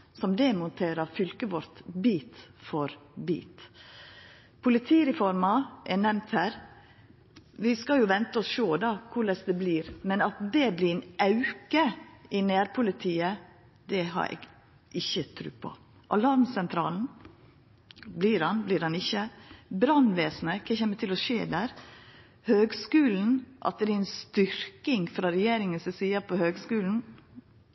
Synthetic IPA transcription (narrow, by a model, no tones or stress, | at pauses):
sɔmd̪ɛmʊnt̪ʰeːɾɑfʏlkəʋɔɾt̪biːt̪fɔɾbḭːt̪ | pʰʊlɪt̪ʰiːɾɛfɔɾmɑʔɛnɛmnt̪hæːɾ | ʋɪskɑjʊʋɛnt̪əɔsʃoːd̪ɑkʰʊɭɛsd̪ɛbliːɾmɛnɑt̪̚d̪ɛblɪnʔɑʉkəɪnæːɾpʰʊlɪt̪ʰiːə | d̪ɛɦɑ̰ɾɛ̰ɡ | ʔɪçːət̪ʰɾʉ̰ːpʰɔ̰ | ʔɑlɑɾmsɛnt̪ʰɾɑ̰ːln̩ | bliɾɑnblɪɾɑnɪçːəbɾɑnʋeːsnəkʰɛːçɛːmːət̪ʰɪlɔʃeːd̪æːɾ | høːɡskʉːln̩ʔɑ̰t̪̚d̪ɛɛɾɛnst̪ʏɾkɪŋfɾɑɾɛjeːɾɪŋənsɛsiːəpʰɔhøːɡskʉːln̩